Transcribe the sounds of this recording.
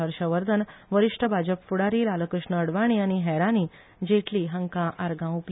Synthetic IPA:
əɾɕəʋəɾd̪ʱənʋəɾiʂʈʰəbʱad͡ʑəpfuɽaɾiːlaləkɾəʂɳəːɽʋaɽ̃iaɽ̃iɦɛɾaniː | d͡ʑeʈʰliːɦəŋkãʔaɾɡãup

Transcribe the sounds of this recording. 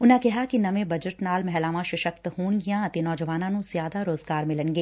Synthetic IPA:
ʊnãkɛɦakinɐmẽbɐd͡ʒəʈnaːlmɛɦlaːʋãʃɪʃəkt̪huːñɡijãt̪enɔːd͡ʒəʋaːnãnũz̥jaːd̪aɾoːzɡaːɾmɪlənɡeː

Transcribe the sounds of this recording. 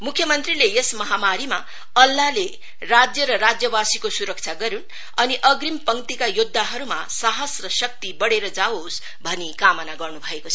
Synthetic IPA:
mukʰjʌmʌnt̪rilejesmʌɦamaɾima | ʌlːale | rad͡zjʌɾʌɾad͡zjʌbasikosuɾʌk̚t͡sʰaɡʌɾun | ʌniʔʌɡrimpʌŋt̪ikajud̪ʱːaɦʌɾuma̰ | saɦʌsrʌsʌk̚t̪ibʌɽeɾʌd͡zaos | bʱʌnikamʌnaɡʌrnubʱʌekot͡sʰ

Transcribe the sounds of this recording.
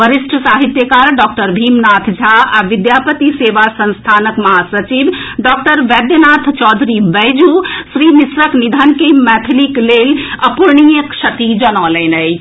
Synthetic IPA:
bəɾisʈʰəsaɦit̪jəkaɾɖɔk̚ʈəɾbʱimnat̪ʰd͡ʒʱaaʋid̪japət̪iseʋasə̃nst̪ʰanəkməɦasət͡ʃibɖɔk̚ʈəɾʋɛd̪jənat̪ʰt͡ʃɔd̪ʱɾibəjd͡ʒusɾinisɾəknid̪ʱənkemɛt̪ʰlikleləpuɾɳijəkt͡ʃʰət̪id͡ʒənɔlɛnəjʰ

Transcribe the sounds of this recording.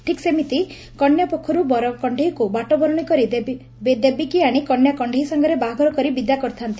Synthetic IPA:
ʈʰiksemit̪i | kɔɳjɔpɔkʰːɔɾubɔɾɔkɔɳɖʱeɦikubaʈɔbɔɾɔɽ̃ikɔɾid̪ | bed̪ebikiaɽ̃ikɔɳjakɔɳɖʱeɦisɔŋɡɔɾebaɦɡʱɔɾɔkɔɾibid̪jakɔɾt̪ʰant̪i

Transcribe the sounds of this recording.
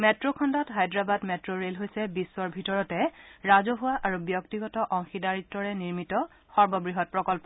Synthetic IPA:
mɛtɹokʰɔndɔtɦajdɹabadmɛtɹoɹelɦojsɛbisːɔɹbʱitɔɹɔtɛɹazɔɦʊwaʔaɹubjɔktiɡɔtɔʔɔŋxidaɹitːɔɹɛniɹmitɔ | xɔɹbɔbɹiɦɔt̚pɹɔkɔlpɔ

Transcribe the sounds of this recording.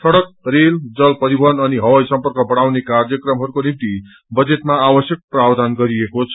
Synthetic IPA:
sʌɽʌk̚reld͡zʌlpʌɾibʱʌnʌniɦʌwʌjsʌmpʌrkʌbʌɽawnekarjʌkrʌmɦʌɾukonimt̪i | bʌd͡zet̪maabʌsjʌk̚prabd̪ʱanɡʌɾiekot͡sʰʌ

